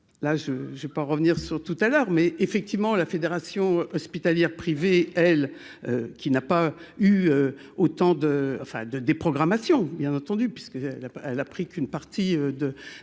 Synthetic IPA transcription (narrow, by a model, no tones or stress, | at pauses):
laʒəʒvepaʁəvniʁsyʁt̪ut̪alœʁmɛefɛk̚t̪ivmɑ̃lafed̪eʁasjɔ̃ʔɔspit̪aljɛʁpχiveɛl | økʲinapayø | ot̪ɑ̃d̪əɑ̰̃fɛ̰̃d̪əd̪epχɔɡʁamasjɔ̃bjɛ̃nɑ̃t̪ɑ̃d̪ypɥiskəɛlaɛlapχikynpaʁt̪iød̪ə